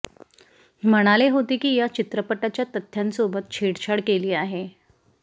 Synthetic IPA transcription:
m̤əɽ̃aleɦot̪iːkiːjat͡ɕit̪ɾəpəʈːat͡ɕjat̪ət̪ʰːjansobət̪̚t͡ɕʰeɽt͡ɕʰaɽkeliːaɦe

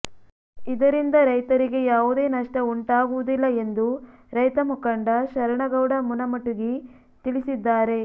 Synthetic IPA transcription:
id̪ɐɾind̪ɐɾɐjt̪ɐɾiɡe̞jaːʋud̪e̞ːnɐʂʈɐuɳʈaːɡuʋud̪ilːɐe̞nd̪u | ɾɐjt̪ɐmukɐɳɖɐʃɐɾɐɳɐɡɐwɽɐmunɐmɐʈuɡi | t̪iɭisid̪ːaːɾe̞

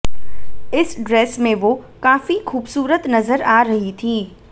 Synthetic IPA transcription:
ɪsɖɾɛːsmẽʋokaːfixuːbsuːɾət̪nɐzəɾaːɾɐɦit̪ʰiː

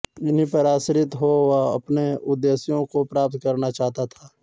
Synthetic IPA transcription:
ɪnɦĩpəɾaːsɾɪt̪ɦowaɐ̰pneʊd̪ːeːsjõkopɾaːp̚t̪̚kɐɾnat͡ʃaːɦt̪at̪ʰaː

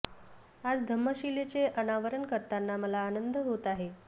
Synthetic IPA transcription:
ad͡zd̪ʱəmːəɕilet͡ɕeʔənaʋəɾəɳkəɾt̪anːaməlaːnənd̪ʱəɦot̪aɦe

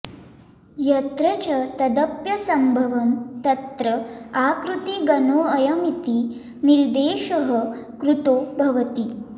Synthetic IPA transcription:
jɐt̪ɾət͡ɕɐt̪ɐd̪əpjɐsɐmbʱɐʋɐmt̪ɐt̪ɾəakɾut̪iɡɐnoːɐjɐmit̪i | niɾd̪eːʃəɦəkɾut̪oːbʱɐʋɐt̪iː

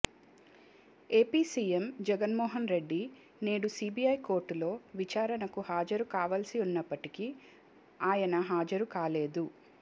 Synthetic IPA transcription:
e̞ːpiːsiːemd͡ʒɛɡɐnmɔːɦɐnɾe̞ɖːi | ne̞ːɽusiːbiːɐjko̞ːɾʈːulo̞ːʋit͡ʃaːɾɐnɐkuhaːd͡ʒɐɾukaːʋɐlsiunːɐpːɐʈiki | aːjɐnɐɦaːd͡ʒɐɾukaːle̞ːd̪u

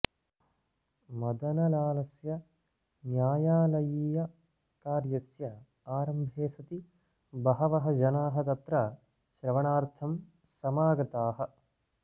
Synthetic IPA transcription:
mɐd̪ɐnɐlaːlɐsjɐ | njaːjaːlɐjiːjɐ | kaːɾjɐsjɐ | aːɾɐmbʱeːsɐt̪i | bɐɦɐʋɐɦɐd͡ʒɐnaːɦɐt̪ɐt̪ɾɐ | ʃɾɐʋɐɳaːɾt̪ʰɐm | sɐmaːɡɐt̪aːɦɐ̆

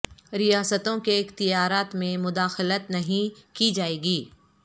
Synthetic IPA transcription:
ɾijaːsət̪õkeɪxt̪ɪjaːɾaːt̪mẽmʊd̪aːxɪlət̪nɐɦĩkid͡ʒaːeːɡiː

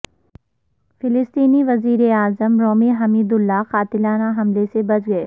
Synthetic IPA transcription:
fɪlɪst̪iːniʋɐziːɾeaːzəmɾoːmiɦɐmiːd̪ʊlːaqaːt̪ɪlaːnaɦɐmlesebɐt͡ʃʰɡɐeː

